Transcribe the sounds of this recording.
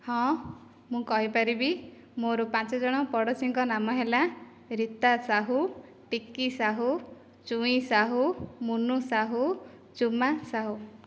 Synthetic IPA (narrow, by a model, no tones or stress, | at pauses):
hɔ̃ | mũkɔɦipaɾibi | moɾupãt͡ʃɔd͡ʒɔɽ̃ɔpɔɽɔt͡ʃiŋkɔnamɔɦela | ɾit̪asaɦu | ʈikːisaɦu | t͡ʃũĩsaɦumunusaɦu | t͡ʃumasaɦu